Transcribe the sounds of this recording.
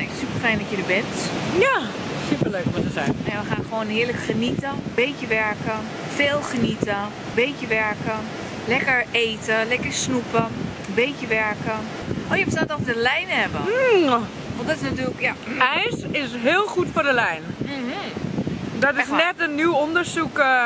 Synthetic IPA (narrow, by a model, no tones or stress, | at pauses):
ɛŋksypəlfɛjndɔtjədəbɪntja | sypəløːkʋɔtəsɛjɛʋəxaːnxəʋoːnɦɪːɹləkχənitəbejkjəʋɛɹkə | feːlˠxənitə | bejkjəʋɛɹkə | lɛkəɹeːtəlɛkəɹsnupə | əbejkjəʋɛɹkə | ʔoːjəbəstaːtɔfədəlɛjnhɛbə | ʋɔdɔtɪsnatyːləkjaɛjsɪsɦɪːlˠxutfʊːɹdəlɛjnm̩ɦ̩ | dɔtɪsnɛtənːywondəɹsuk